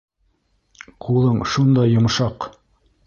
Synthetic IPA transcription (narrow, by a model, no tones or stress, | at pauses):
qulˠɤɴʃund̪ɑjːŏmʃɑq